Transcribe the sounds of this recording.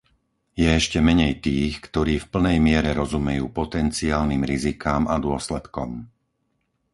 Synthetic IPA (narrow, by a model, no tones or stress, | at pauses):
jɛɛʃcɛmɛɲɛjt̪iːxkt̪ɔɾiːfpl̩nɛjmɪɛɾɛɾɔzumɛjṵːpɔt̪ɛnt͡siaːlniːmɾizikaːmad̪ʊɔslɛt̪kɔ̰m